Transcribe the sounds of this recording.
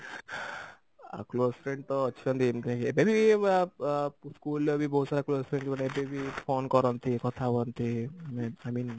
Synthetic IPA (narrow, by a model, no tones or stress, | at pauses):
a̰klospʰɾẽɳɖ̚t̪ɔːʃʰiɔnt̪imt̪kebebʱi | skulːebibɔɦud̪saɾaklospʰɾeɳɖbaneebebipʰonkɔɾɔnt̪ʰikɔt̪ʰabɔnt̪ʰimajmin